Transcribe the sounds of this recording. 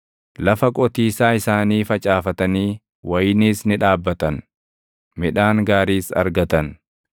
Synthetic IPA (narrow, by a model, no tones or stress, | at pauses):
lɐfɐkʼɔt̪iːsaːɪsaːniːfɐt͡ʃʼaːfɐt̪ɐniː | wɐjɪniːsnɪᶑaːbːɐt̪ɐn | mɪᶑaːŋɡaːɾiːsɐ̰ɾɡɐt̪ɐn